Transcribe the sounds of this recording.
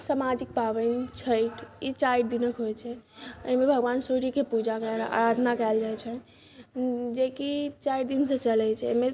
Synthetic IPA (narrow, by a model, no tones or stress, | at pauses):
samad͡ʒik̚pabənt͡ʃʰəiʈʰit͡ʃajʈd̪inəkɦojt͡ʃʰɛəjmebʱəɡʋansoɾikepud͡ʒakɛa̰ɾad̪ʱnakɛɪld͡ʒajt͡ʃʰɛ | d͡ʒekit͡ʃaiɾd̪insə̃t͡ʃəlɛt͡ʃʰɛə̰me